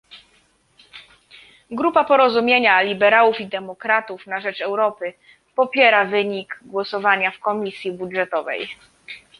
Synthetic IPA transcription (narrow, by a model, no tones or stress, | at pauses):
ɡɾupapɔɾɔzumʲjeɲalʲibɛɾawufid̪ɛmɔkɾat̪ufnaʐɛt͡ʂɛwɾɔpɘ | pɔpʲjɛɾavɘɲiɡɡwɔsɔvaɲafkɔmʲisʲjibudʐɛt̪ɔvɛ̰j